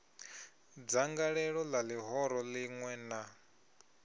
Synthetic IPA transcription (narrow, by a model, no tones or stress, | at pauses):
d͡zaŋɡaɺɛɺɔlaliɦɔɾɔliŋwɛna